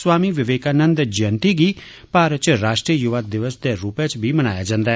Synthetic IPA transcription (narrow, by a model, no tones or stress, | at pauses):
sʋaːmiʋɪʋeːkaːnə̃nd̪d͡ʒənt̪iɡi | paːɾət͡ʃɾaːʃʈɾiəjuʋaːd̪ɪʋəsd̪eɾuːpet͡ʃbʱimɐnaːjad͡ʒãːnd̪aːɦɛ